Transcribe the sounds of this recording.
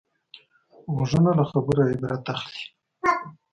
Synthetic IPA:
wʐənalaxabəɾaebɾat̪axli̥

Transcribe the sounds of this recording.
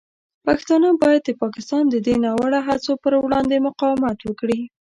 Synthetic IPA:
paxt̪ɑnəbɑjad̪̚əpɑkɪst̪ɑnd̪əd̪enɑwaɽaɦat͡sopəɾwɽɑnd̪emʊqɑwɪmat̪wəkɽi

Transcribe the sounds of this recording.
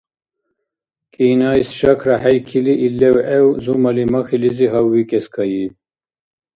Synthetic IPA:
kʼiːnaisʃɐkʰɾaħajkʰiliʔilːɛwʔɛwzumɐlimɐxiliziɦawːikʼɛskʰɐji

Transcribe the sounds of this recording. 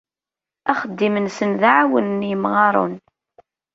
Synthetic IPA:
æχəd̪ːimənsənðaʕawənnjəmʁɑɾˤṵn

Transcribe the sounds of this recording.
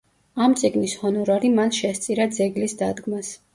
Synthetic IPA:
amt̪sʼiɡnishɔnɔɾaɾimanʃɛst̪sʼiɾad̪zɛɡlisd̪ad̪ɡmas

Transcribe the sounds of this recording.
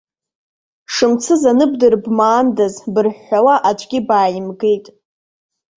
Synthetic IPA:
ʂɨmt͡sʰɨzanɨbdɨrbmaːndazbɨrħawaʔat͡ʃʷʰʼɡʲɪbaːjɪmɡe̞jtʼ

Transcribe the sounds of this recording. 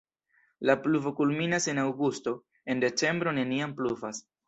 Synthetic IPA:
lapluvo̞kulminase̞nawɡusto̞ | e̞nde̞t͡ʃe̞mbɾo̞ne̞niampluvas

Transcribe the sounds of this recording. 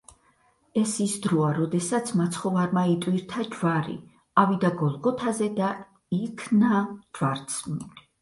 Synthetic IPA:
ɛsisd̪ɾɔaɾɔd̪ɛsat̪sʰmat̪sʰχɔvaɾmait̪ʼwiɾt̪ʰad͡ʒvaɾḭ | avid̪aɡɔlˠɡɔt̪ʰazɛd̪a | ikʰnad͡ʒvaɾt̪sʰmi

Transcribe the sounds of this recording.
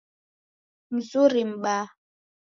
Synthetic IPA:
m̩zuɾim̩ɓa

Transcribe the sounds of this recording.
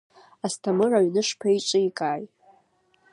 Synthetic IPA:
astʰamɨraɥnɨʂpʰait͡ʃʼɨikʼaːj

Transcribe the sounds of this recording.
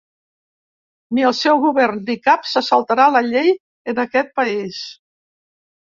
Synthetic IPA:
miəlˠsɛwɣuβɛrnd̪ikapsəsəlˠt̪aɾaləʎej | ənəkɛt̪̚pəis

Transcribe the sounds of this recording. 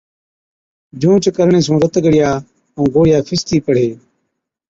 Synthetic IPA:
d͡ʒũːt͡ʃkəɾɳẽːs̬ũːɾət̪ɡəɽɪjaː | ũːɡoːɽɪjaːpʰɪst̪iːpəɽ̤eː

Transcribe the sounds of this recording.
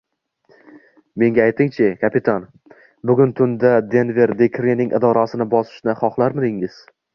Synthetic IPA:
me̞ŋɡʲaajt̪ʰɪŋt͡ʃʰɪkʲʰapɪt̪ʰan | bʊɡʲʊnt̪ʰʊnd̪ad̪e̞nve̞ɾd̪ekʰɾinɪŋʔɪ̰d̪ɒɾasɪnɪbɒsɪ̥ʃnɪχɒχlˠaɾmɪd̪ɪŋɪz̥

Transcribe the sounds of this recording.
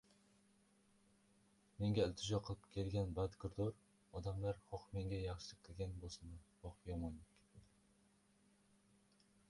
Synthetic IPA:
me̞ŋɡʲaɪlʲt̪ʰɪʒɒqʰɨlˠɪpkʲʰe̞lɡʲanbad̪kʰʲʊɾd̪oɾ | ɒd̪amlaɾχɒqme̞ŋɡʲajɑχʃɪlɪp̚kʲʰɪlɡʲanbolˠsɨnɪbɒqpjɒmojnɪkʲ

